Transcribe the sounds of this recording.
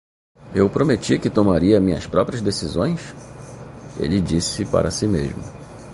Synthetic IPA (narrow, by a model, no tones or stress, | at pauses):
ewpɾomet͡ʃikɪt̪omaɾiɐmĩɲɐ̰spɾɔpɾʲiɐzd̪esizõ̰j̃s | ḛlɪd͡ʒisɪpa̰ɾɐsimeʒmʊ